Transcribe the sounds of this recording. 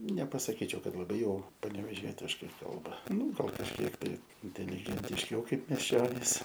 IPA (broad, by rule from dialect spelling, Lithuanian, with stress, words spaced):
nʲɛpɐsɐˈkʲiːt͡ʃʲɛʊ ˈkɐt lˠɐˈbɐɪ ˈjɛʊ pɐnʲɛʋʲɛˈʒʲiɛtʲɪʃkɐɪ ˈkɐlˠbɐ ˈnuː ˈɡɐlˠ kɐʃʲˈkʲiɛk tɐɪ ɪnʲtʲɛlʲɪɡʲɛnʲtʲɪʃʲˈɛʊ ˈkɐɪp mʲiɛˈʃʲt͡ʃʲoːnʲiːs